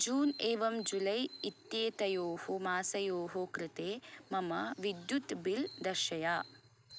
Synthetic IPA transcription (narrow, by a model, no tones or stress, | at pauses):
d͡ʒuːneːʋɐmd͡ʒulɐjit̪jeːt̪ɐjoːhomaːsɐjoːɦokɾɪt̪eːmɐmɐʋid̪jut̪bild̪ɐʃɐjaː